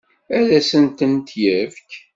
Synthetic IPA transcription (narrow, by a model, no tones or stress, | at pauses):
æðæsənt̪ənt̪jævk